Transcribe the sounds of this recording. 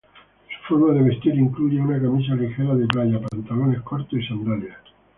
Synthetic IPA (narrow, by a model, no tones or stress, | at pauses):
su̥foɾmaðeβe̞st̪iɾiŋkluʝeunakamis̬alixeɾaðeplaʝapant̪alo̞ne̞sko̞ɾt̪osisand̪ɾalea